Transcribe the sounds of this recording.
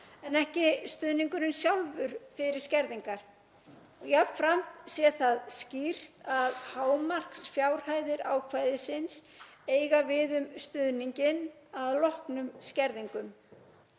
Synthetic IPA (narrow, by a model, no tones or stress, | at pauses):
ɛnɛhcɪst̪ʏðniŋkʏɾʏnsjawlvʏɾ̥fɪɾɪɾ̥scɛɾðiŋkaɾ̥ | ɔɣjap̪fɾam̥t̪sjɛθaðscir̥t̪aðhaːwmar̥ksfjaːwɾ̥haːjðɪɾaːwkʰvaːjðɪsɪns | eːjɣavɪðʏmst̪ʏðniɲcɪn | aðlɔhknʏmscɛɾðiŋkʏm